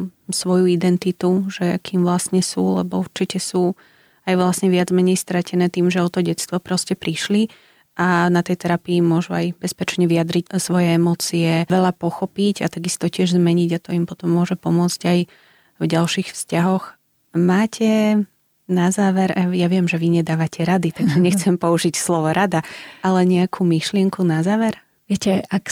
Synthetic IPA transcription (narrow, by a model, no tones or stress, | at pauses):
sʋɔjuid̪ɛnt̪it̪uʒɛkiːmʋlasɲɛsṵːlɛ̰bɔuɾt͡ʃicɛsuː | ajʋlasɲɛʋɪad͡zmɛɲɛjst̪ɾacɛnɛːt̪iːmʒɛɔt̪ɔɟɛt̪st̪ʋɔpɾɔscɛpɾiʃli | ʔanat̪ɛjt̪ɛɾapiːmʊɔʒuajbɛspɛt͡ʃɲɛʋijad̪ɾicsʋɔjɛɛmɔːt͡siɛʋɛʎapɔxɔpiɟat̪aɡist̪ɔcɪɛʒzmɛɲiɟat̪ɔimpɔt̪ɔmːʊɔʒɛpɔmʊɔt͡sɟaj | vɟalʃixfscaɦɔx | maːcʰɛ | nazaːʋɛɾʔajaʋɪɛmʒɛʋiɲɛd̪aːʋacʰɛɾad̪it̪aɡʒɛɲɛxt͡sɛmpɔuʒicslɔʋɔɾad̪aalɛɲɛakʰumiʃlɪɛŋkunazaːʋɛɾ | ʋɪɛcɛak